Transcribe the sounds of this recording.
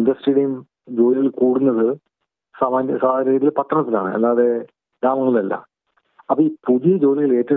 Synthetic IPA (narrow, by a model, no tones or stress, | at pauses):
nd̪ɐsʈeɽɐjum | d͡ʑo̞ːliɣɐɭkuːɽunːɐðɨ | saːmaːnsaːd̪aːɾɐiːt̪ːilpɐt̪ːrɐɳɐt̪ːila̰ːɳɨ̰ḛlːaːɐðe̞ | d̪aːmɐŋːɐɭiɭɐlːɐ̰ | ɐpːɐiːpuðijɐd͡ʑo̞ːliɣɐɭe̞ːtːɐ